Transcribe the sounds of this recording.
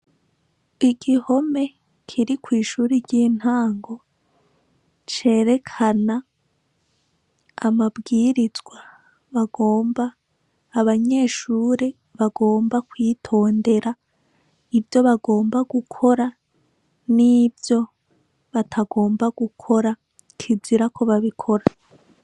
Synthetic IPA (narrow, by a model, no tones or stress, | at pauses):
iɡiho̞me̞ | kʰiɾikwiːʃuːɾiɟiːn̥haːŋɡo̞ | t͡ʃe̞ːɾe̞kʰana | mabɡiːɾizɡwa | βaɡoːmbaː | βaɲe̞ːʃuːɾe̞ | βaɡo̞ːmbakwiːtʰo̞ːnde̞ɾa | ibjo̞βaɡo̞ːmbaɡukʰo̞ɾa | nibjo̞ | βatʰaɡo̞ːmbaɡukʰo̞ɾa | kʰibiɾakʰo̞βaβikʰo̞ɾa